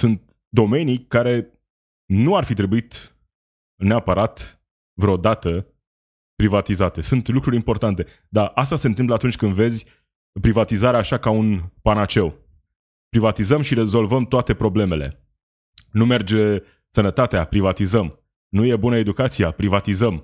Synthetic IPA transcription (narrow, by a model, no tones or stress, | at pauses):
sunt̪̚ | d̪o̞me̞nijkaɾe̞ | nuarfit̪ɾe̞buit̪ | neapəɾat̪ | vɾeod̪at̪ə | pɾivat̪izat̪e̞sunt̪lukɾuɾʲimpo̞rt̪ant̪e̞ | d̪aʔast̪ase̞nt̪ɨmpləat̪unt͡ʃʲkɨnd̪ve̞zʲ | pɾivat̪izaɾeaːʃakaunpanat͡ʃe̞w | pɾivat̪izəmʃiɾe̞zo̞lvəmt̪oat̪e̞pɾo̞ble̞me̞le̞̰ | nume̞rd͡ʒe̞ | sənət̪at̪eapɾivat̪izəm | nuje̞bunəe̞d̪ukat̪sijapɾivat̪izəm